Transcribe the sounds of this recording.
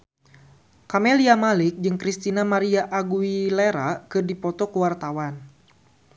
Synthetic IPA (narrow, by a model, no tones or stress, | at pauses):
kameliamalɪk̚d͡ʒɨŋkɾist̪inamaɾiaʔaɡuileɾakɨrdipɔt̪ɔkəwart̪awan